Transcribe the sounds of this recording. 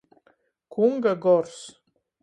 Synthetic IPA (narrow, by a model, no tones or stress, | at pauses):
kʰuŋɡaɡɔrs